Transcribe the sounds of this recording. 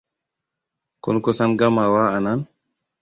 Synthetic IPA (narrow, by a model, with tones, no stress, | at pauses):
kɔ̰˦nkɔ˦sa˦nɡa˦ma˨wa˦a˨na˦n